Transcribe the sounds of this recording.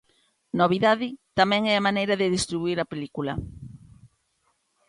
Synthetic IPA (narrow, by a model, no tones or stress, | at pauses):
noβ̞iðaðɪt̪amɛ̃ŋɛamanejɾɐðɪðest̪ɾiβuiɾɐpelikulɐ